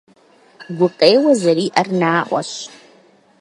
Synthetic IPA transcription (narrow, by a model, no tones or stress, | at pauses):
ɡʷʊqʼejwazaɾiːʔarnaːʔʷa̰ʃ